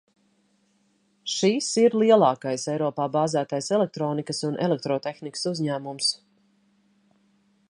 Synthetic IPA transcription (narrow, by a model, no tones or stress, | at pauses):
ʃisiɾlˠiɛlˠɑːkajsɛjɾɔːpaːbaːzæːt̪ajsɛlɛk̚t̪ɾɔːnikəsunʔɛ̰lɛk̚t̪ɾɔːt̪exnikə̥suzʲɲæːmums